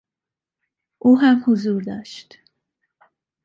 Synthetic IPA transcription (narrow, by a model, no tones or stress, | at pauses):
ʔuːɦæmhuzuːɾd̪ɒ̰ːʃt̪